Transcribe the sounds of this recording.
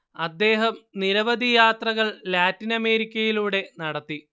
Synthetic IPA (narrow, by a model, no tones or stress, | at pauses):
ɐd̪ːe̞ːɦɐmniɾɐʋɐd̪ʱijaːt̪rɐɣɐɭlaːtːinɐme̞ːɾikʲːɐjiluːɽe̞nɐɽɐt̪ːi